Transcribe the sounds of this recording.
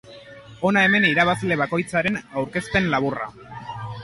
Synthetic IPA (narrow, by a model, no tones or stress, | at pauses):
o̞nae̞me̞niɾaβ̞asle̞βako̞jt͡saɾe̞nawɾke̞spe̞nlaβ̞ura̰